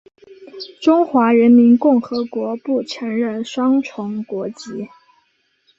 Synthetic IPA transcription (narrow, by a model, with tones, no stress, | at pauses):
ʈ͡ʂʊ˥ŋxwa˧˥ɻə˧˥nmi˧˥nkʊ˥˩ŋxɤ˧˥kwɔ˧˥pu˥˩ʈ͡ʂʰa˧˥nɻə˥˩nʂwɑ˥ŋʈ͡ʂʰʊ˧˥ŋkwɔ˧˥t͡ɕi˧˥